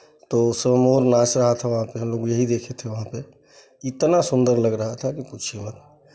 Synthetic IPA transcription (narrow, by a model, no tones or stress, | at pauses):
t̪osəmoɾnasɾəɦət̪ʰɛʋəɦãpeɦəmlokjəɦid̪ekʰet̪ʰɛʋəɦãpe | it̪nasund̪əɾləɡɾəɦət̪ʰakiput͡ʃʰemət̪